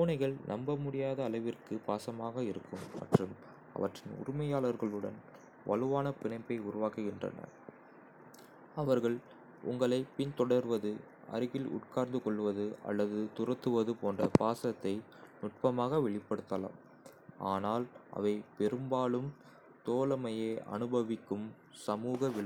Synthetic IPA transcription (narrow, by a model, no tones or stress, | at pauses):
uːnɐɪɣɐɭnʔɐmbɐmʊɽɪjaːðɐːlɐʋɪrkɯpaːsɐmaːɣɐɪɾɯkːɯmːɐ̰ʈrɯm | ɐ̰ʋɐʈrɪnʊ̰ɾɪmɐjaːlɐɾɣɐɭɯɽɐn | ʋɐ̰lɯʋaːnɐpɪɳɐɪpːɐɪʊɾʊʋaːkɯɣɪndrɐ̰nɐ̰ɾ | ɐʋɐɾɣɐɭ | ʊŋɡɐɭɐɪpɪnt̪ɔɽɐɾʋɐðɯ | ɐ̰ɾɯɣɪlʊ̰ʈ̚kaːɾnd̪ɯkɔɭːɯʋɐðɯɐ̰lːɐðɯt̪ʊrɐt̪ːɯʋɐðɯpoːndrɐpaːsɐt̪ːɐɪ | nʊʈ̚pɐmaːɣɐʋɛɭɪpːɐɽɯt̪ːɐla̰ːm | aːnaːlʔɐ̰ʋɐɪpɛɾɯmbaːɭɯm | t̪oːlɐmɐjeːʔɐ̰nɯbɐʋɪkːɯm | sɐmuːɣɐʋɪɭɐ